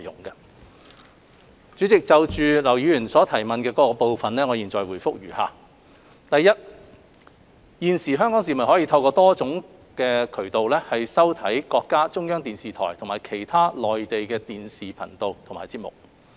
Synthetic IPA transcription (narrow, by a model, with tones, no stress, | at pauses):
jʊ̰˨˩ŋkɐ˧ | t͡ʃyː˨˥t͡sɪ˨k̚t͡sɐ˨wt͡ʃyː˨˧lɐ˨˩wjyː˨˧jyː˨˩nsɔː˨˥t̪ʰɐ˨˩jmɐ˨nkɛː˧kɔː˨˥kɔ˧po˨wfɐ˨nlɛː˥ŋɔː˨˧jiː˨˩nt͡sɔː˨˩jwuː˨˩jfʊ˥k̚jɥyː˨˩ha̰ː˨ | t̪ɐ˨jːɐ˥t̚ | jiː˨nsiː˨˩ɦœː˥ŋkɔː˨˥ŋs̬iː˨˩mɐ˨nhɔ˨˥jiː˧t̪ʰɐ˧wkɔː˧t̪ɔː˥t͡sʊ˨˥ŋ | kɛː˧kʰɵ˨˩ɥt̪o˨wlɛː˥hɐ˨jsɐ˥wt̪ʰɐ˨˥jkɔː˧kːaː˥t͡sʊ˥ŋjœː˥ŋt̪iː˨nsiː˨t̪ʰɔ̰ː˨˩jt̪ʰʊ˨˩ŋmaː˨˩jkʰe˨˩jt̪ʰaː˥lɔː˨jt̪e˨jkɛː˧t̪iː˨nsiː˨pʰɐ˨˩nt̪o˨wt̪ʰʊ˨˩ŋmaː˨jt͡siː˧p̚mʊ̰˨˩k̚